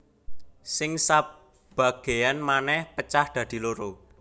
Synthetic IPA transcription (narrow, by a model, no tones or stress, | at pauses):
sɪŋsa | b̥a̤ɡ̥e̤janmanɛhpət͡ʃahd̪̥ä̤d̪̥i̤loɾo